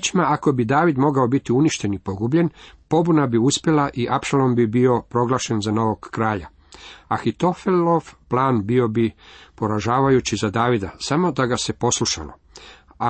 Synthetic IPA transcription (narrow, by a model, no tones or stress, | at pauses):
t͡ʃimaako̞bid̪aːʋid̪mo̞ɡao̞bit̪iuniʃt̪e̞nipo̞ɡubʎe̞npo̞bunabiuspje̞laʔiʔapʃalo̞mbibio̞pɾo̞ɡlˠaːʃe̞nzano̞ʋoɡːɾaːʎa̰ | axit̪o̞feloʋplaːnbio̞bipo̞ɾaʒaːʋajut͡ɕizad̪aːʋid̪asamo̞d̪aɡase̞po̞sluʃa̰lo̰ | a